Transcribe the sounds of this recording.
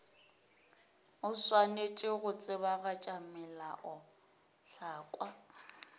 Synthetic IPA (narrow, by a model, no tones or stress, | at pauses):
ʊswanet͡ʃʼɪɣʊt͡sʼɪbaɣat͡ʃʼamɛlaʔɔ | ɬaːkʼwa